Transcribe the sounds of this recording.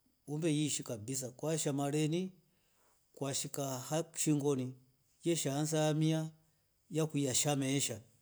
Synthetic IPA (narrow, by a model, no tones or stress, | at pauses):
umbɛjiʃikabis̬akwaʃamalɛni | kwaʃikahaʃiŋɡɔni | jɛʃans̬amia | jakujaʃamɛʃa